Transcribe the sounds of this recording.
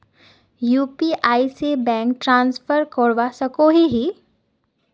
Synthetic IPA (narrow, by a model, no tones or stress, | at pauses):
juːpiʔaːisebɛ̃ːŋkʈɾãːnsfʰəɾkoɽʋasɐkoɦiɦi